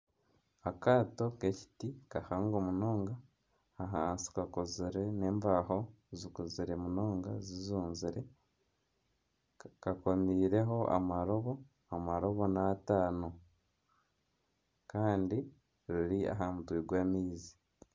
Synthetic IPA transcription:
akaːto̞keci̥tikahaːŋɡomuno̞ːŋɡa | aɦaːnsi̥kakoziɾe̞ne̞ːmvaːho̞ | zikuziɾe̞munoːŋɡazizuːnziɾe̞ | kako̞miːɾe̞ɦo̞ʔa̰maɾo̞βo̞ | amaɾo̞βo̞nataːno̞ | kaːndi | ɾuɾia̰ɦamutwiːɡwaːmiːzi̥

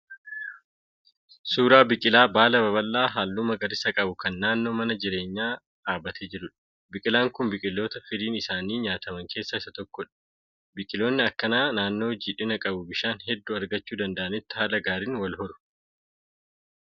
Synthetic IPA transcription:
suːɾaːbɪkʼɪlaːbaːlɐbɐβɐlːaːɦaːlːuːmɐɡɐɾɪsɐkʼɐbʊkɐnːaːnːo̞ːmɐnɐd͡ʒɪɾe̞ːɲːaː | ᶑaːbɐt̪ʰed͡ʒɪɾʊᶑɐ̥ | bɪkʼɪlaːŋkʊnbɪkʼɪlːo̞ːt̪ɐfɪd̪iːnɪsaːniːɲaːt̪ɐmɐŋke̞ːsːɐɪsɐt̪ɔkːɔᶑɐ̥ | bɪkʼɪlo̞ːnːɪɐkːɐnaːnaːnːo̞ːd͡ʒiːᶑɪnɐkʼɐbʊbɪʃaːnɦɛd̪ːuɐɾɡɐt͡ʃːuːd̪ɐnd̪ɐʔɐnɪt̪ːɪ̥haːlɐɡaːɾiːnwɐlɦɔɾʊ̥

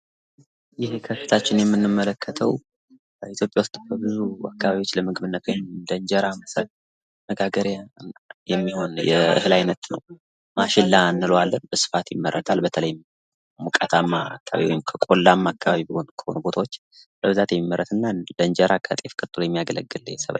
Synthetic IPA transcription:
jɪhekʰəfit̪ʰat͡ʃːɪnjɛmːɨnːɨmːələkːət̪ʰəw | bəit̪ʰjo̞pʼjawust̪ʼbʰəbɨzua̰kːaβaβiwo̞t͡ʃːləmɨɡɨβɨnːət̪wɔjmd̪ənd͡ʒəɾamsə | məɡaɡəɾjajɛmːiho̞njɛʔɨ̰hɨlajnət̪nə̰w | maʃɪlːanːɨlwalːənbəsɨ̥fat̪jɪmːəɾːət̪ʰalbət̪ʰələj | mukʼat̪ʰamːa̰kːaa̰βḭwɔjɪmkʰəkʼo̞lːamːaakːaβaβibihonkʰə̥ho̞̰nubo̞t̪ʰawo̞t͡ʃː | bəβɨzat̪jɛmːimːəɾʔət̪ɨnːalənd͡ʒəɾʔakʰa̰t̪ʼe̞fkʼɨt̪ʼɨlujɛmːijaɡələ̰ɡːɨlːjɛsəβa̰

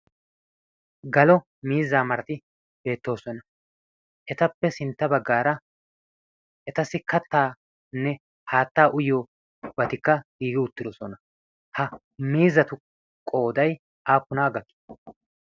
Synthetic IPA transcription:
ɡɐlɔ | miːzːaːmɐɾɐt̪ɪ | b̥e̞ːt̪ːo̞ːsɔnɐ | ʔɛt̪ɐpːɛsɪnt̪ːɐbɐɡːaːɾɐ | ʔɛt̪ɐsɪkɐt̪ːaː | nːɛ | haːt̪ːaːʔʊjo | bɐt̪ɪkːɐɡiːɡɪʊt̪ːɪd̪ɔsɔnɐ | hɐ | miːzːɐt̪ʊ | kʼo̞ːd̪ɐj | aːpːʊnaːɡɐkːɪ̥

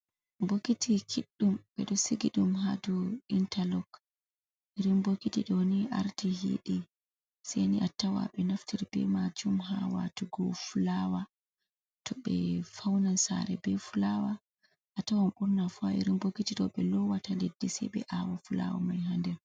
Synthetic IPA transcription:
boɡitikʰiɗːumɓɛ̰ɗɔsiɡiɗumɦaduintalɔk | ʔiɾinbokitiɗɔniʔa̰ɾtihḭɗi | sɛniʔatːawa̰ɓɛnaftiɾb̥ɛmad͡ʒumɦawa̰tuɡɔfulawa | tʰɔɓɛ̰fawnansa̰ɾɛ̰bɛfulawa | ʔatawamʔuɾnafuaḭɾinboɡitiɗɔɓɛlɔwatandedːisɛjɓɛ̰ʔawafula̰wa̰majɦandɛn

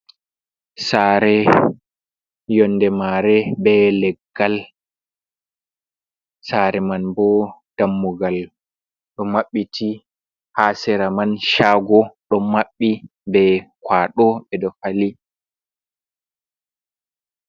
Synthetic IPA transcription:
saːɾɛ | jɔndɛmaɾɛbɛlɛɡːal | saɾɛmanbɔd̥amːuɡal | ɗɔmaɓːitʰi | hasɛɾamanʃaːɡɔɗɔmːaɓːibɛkwaːɗɔɓɛdɔfali

